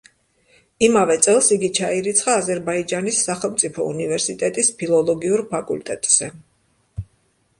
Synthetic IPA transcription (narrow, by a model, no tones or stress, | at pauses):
imavɛt̪sʼɛlˠsiɡit͡ʃʰaiɾit̪sʰχaːzɛɾbaid͡ʒanisːaχɛlˠmt̪sʼipʰɔṵnivɛɾsit̪ʼɛt̪ʼispʰilˠɔlˠɔɡiuɾpʰakʼṵlt̪ʼɛt̪ʼz̥ɛ